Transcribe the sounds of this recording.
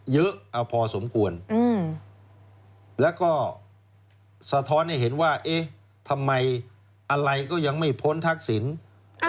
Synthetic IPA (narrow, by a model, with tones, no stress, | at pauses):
jɤ˦˥ʔʔa˧˩wpʰɔː˧so˩˦mkʰu˧ənɯː˧˩ | lɛː˦˥wkɔː˥˩ | sa˧t̪ʰɔː˦˥nha˥˩jɦe˩˦nwaː˥˩ʔe˦˥ | t̪ʰa˧mːa˧j | ʔa˧ɾa˧jkɔː˥˩ja˧ŋma˥˩jpʰo˦˥˨nt̪ʰa˦˥k̚si˩˦n